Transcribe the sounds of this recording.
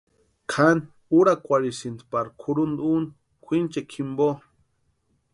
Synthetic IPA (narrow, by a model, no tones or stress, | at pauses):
kʰan | uɾakʷaɾisind̪paɾkʷʰuɾund̪un | kʷint͡ʃekʰimbo